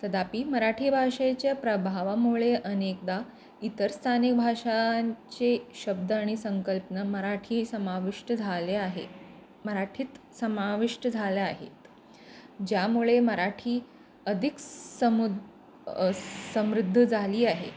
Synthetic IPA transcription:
t̪əd̪apiːməɾaʈʰiːbʱaʂet͡ɕjapɾəbʱaʋamuɭeʔənek̚d̪a | it̪əɾst̪ʰanik̚bʱaʂat͡ɕeɕəb̚d̪əaɽ̃isəŋkəlpnəməɾaʈʰiːsəmaʋiʂʈəd͡zʱaleaɦḛ | məɾaʈʰit̪ | səmaʋiʂʈəd͡zʱaleaɦḛt̪ | d͡ʑjamuɭeməɾaʈʰiː | əd̪ʱikəm | səmɾud̪ʱːəd͡zʱaliːaɦḛ

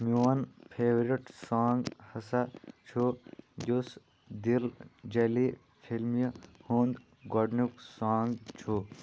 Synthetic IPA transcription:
muʋɐnpʰeːʋɾiʈsaːŋɡhɐsɐt͡ʃʰujus | d̪ild͡ʒeli | pʰilmjɐhuːnd̪ | ɡoɖnuksaːŋɡt͡ʃʰu

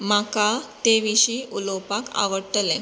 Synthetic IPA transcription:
makat̪eʋiɕiːʔulɔpaka̰ʋəɽʈle

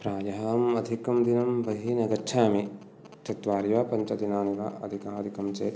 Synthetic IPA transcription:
pɾaːjɐɦaːmɐd̪ʱikɐmd̪inɐmbɐɦinɐɡɐt͡ʃʰaːmi | t̪ɐt̪ʋaːɾjʋaːpɐɲt͡ʃɐd̪inaːniʋa̰ːʔɐd̪ʱikaːɐd̪ʱikɐmt͡ʃeːt̪

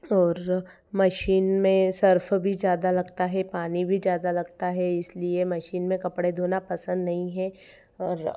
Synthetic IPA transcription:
ɔːɾ | mɐʃiːnmẽsɐɾfʰbʱizjaːd̪alɐɡt̪aɦɛpaːnibʱizjaːd̪alɐɡt̪aɦɛɪsliemɐʃiːnmẽkɐpɽed̪ʱoːnapɐsə̃nd̪nɐɦĩɦɛ̃ | ɔːɾ

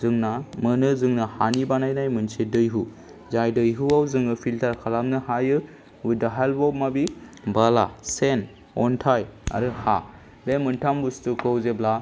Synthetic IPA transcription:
zɯŋnamɯnɯzɯŋnahanibanajnajmɯnsedɯjɦu | zajdɯjɦuawzɯŋɯpʰiltʰaɾkʰalamnɯhajɯ | udaɦalbɔmabibala̰sen | ɔntʰaja̰ɾɯha | bemɯntʰambustukɯwzebla

